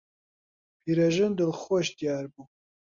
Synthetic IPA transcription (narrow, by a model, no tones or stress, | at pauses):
pʰiːɾɐʒɨnd̪olxoʃd̪ijaːɾbuː